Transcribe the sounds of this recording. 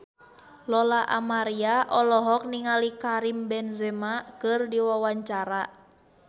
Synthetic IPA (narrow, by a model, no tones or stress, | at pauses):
lɔlaʔa̰maɾiaʔɔlɔɦɔk̚niŋalikaɾimbɛnzɛmakɨrdiwawaɲt͡ʃaɾa